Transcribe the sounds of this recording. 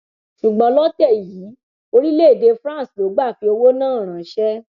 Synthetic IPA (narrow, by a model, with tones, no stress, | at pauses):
ʃu˨ɡ͡bɔ˧lɔ˦tɛ˦˨jiː˨˦ | o˧ɾi˦le˦˨de˧fɾã˦˨slo˨˦ɡ͡ba˦˨fi˨˦o˧wo˦nãː˦˨ɾ̃ã˨ʃɛ˦